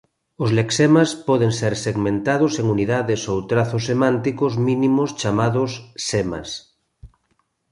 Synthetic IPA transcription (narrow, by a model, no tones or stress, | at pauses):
ozleksemaspɔðeŋseɾseɣmẽnt̪aðʊseŋuniðaðesowt̪ɾaθosːemãnt̪ikozmĩnimost͡ʃamaðʊsːema̰s